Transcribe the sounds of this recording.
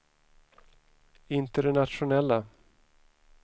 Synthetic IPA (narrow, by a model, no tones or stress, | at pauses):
ɪnt̪əɖɛnat̪ʂʊnɛlːa